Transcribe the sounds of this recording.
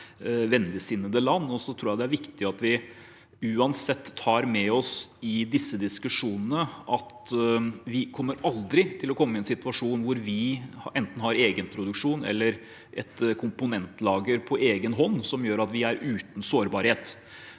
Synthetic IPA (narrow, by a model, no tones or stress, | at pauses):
ʋɛnːlɪsɪnːəd̪əlɑnːɔsɔt̪ʰɾuːjæd̪ɛæɾʋɪkt̪ɪɑt̪ʋɪ | ʉːɑnsɛt̪ːʰɑːɾmɛɔsɪd̪ɪsːəd̪ɪskʉʂuːnənəʔɑt̪ | ʋɪkʰɔmːəɾɑld̪ɾɪt̪ʰɪlɔkʰɔmːəɪɛnsɪt̪ʉɑʂuːnʋʊɾʋɪʔɛnt̪n̩hɑɾeːɡənpʰɾʊd̪ʉkʂuːnɛ̰lːəɾ | ʔɛt̪kʰʊmpʊnɛnt̪lɑːɡəɾpʰɔʔeːɡənɦɔnːsɔmjøːɾɑt̪ʋɪæɾʉːt̪n̩soːɾbɑɾheːt̪